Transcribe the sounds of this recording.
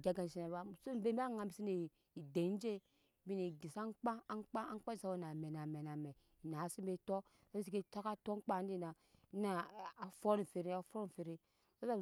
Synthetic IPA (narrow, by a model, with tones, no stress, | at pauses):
ɡa˦ɡa˨n˨si˦na˨˦a˦˨so˦be˦ba˦ŋa˨˦bi˨si˦ni˨ | i˨de˨˦n˦d͡ʒe˦ | bi˦ne˨ɡi˨sa˦ŋ˦k͡pa˦a˦ŋ˦k͡pa˦a˦ŋ˦k͡pa˦i˨sa˦wo˦˨na˨me˨na˨me˨na˨mɛ˨ | i˨na˨˦si˦be˦to˦ | sa˦bi˦si˦ke˦˨to˦ka˦to˦k͡pa˦˨n˦i˦˨na˨˦ | na˨a˨fo˦ɾi˨fe˨ɾi˦a˨fo˦ɾfe˨ɾi˦ | sa˦sa˦˨